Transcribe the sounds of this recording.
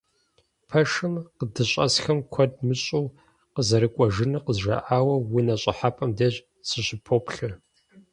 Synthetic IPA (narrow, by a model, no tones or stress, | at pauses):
pʰɐʂɨmqədɨɕʼɐ̰sxɐmkʷʰɔd̚mɨɕʼɨw | qəzɐɾɨkʷʼɔʒɨnɨqəzʒɐ̰ʔaːwɐwinɐɕʼɪħapʼɐmdɐʑ | sɨɕɪpʰoːpʰɬɨ